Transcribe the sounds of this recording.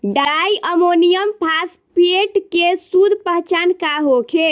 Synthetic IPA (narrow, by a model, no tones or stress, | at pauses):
ɖaajʔəmonijəmpʰaspeʈkesud̪ʱpəɦt͡ʃankaɦokʰe